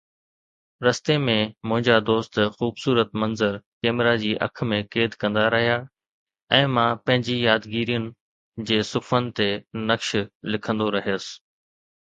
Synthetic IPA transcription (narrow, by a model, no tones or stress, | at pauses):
ɾɐst̪emẽmʊ̃ɦɪ̃ɲd͡ʑad̪oːst̪xuːbsuːɾət̪mɐ̃nzəɾkeːmɪɾad͡ʑiːʔɐ̰kʰmẽkeːd̪kɐ̃nd̪aɾɐɦija | ɛ̃ːmãpɐ̃ɦɪ̃ɲd͡ʑijaːd̪ɡiːɾijənɪ̆ | d͡ʑeːsʊfʰənɪ̆t̪enɐkʃlɪkʰə̃nd̪oɾɐɦijəsɪ̥